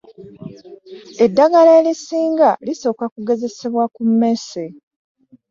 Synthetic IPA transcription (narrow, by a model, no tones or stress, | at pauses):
edːaɡaleːlisiːŋɡaliso̞ːkakuɡe̞ze̞se̞βwakumːese